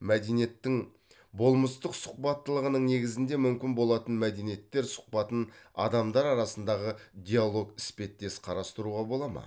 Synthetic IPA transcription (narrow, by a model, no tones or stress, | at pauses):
mæd̪enije̞t̪ːɪŋ | bo̞lˠməst̪əqsʊ̥q̚pɑt̪ːəlˠəʁənəɴne̞ɡʲɪzɪnd̪e̞mʏmkʲɪnbo̞lˠɑt̪ənmæd̪e̞nije̞t̪ːe̞ɾsʊ̥q̚pɑt̪ənɑ̰d̪ɑmd̪ɑɾɑɾɑsənd̪ɑʁəd̪ʲijalˠo̞ɡɪspe̞t̪ːe̞sqʰɑɾɑst̪əɾuʁɑbo̞lˠɑmɑ̰